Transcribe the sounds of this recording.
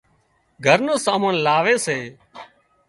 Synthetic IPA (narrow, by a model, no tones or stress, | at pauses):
ɡʱəɾnoːsaːmənlaːʋeːseː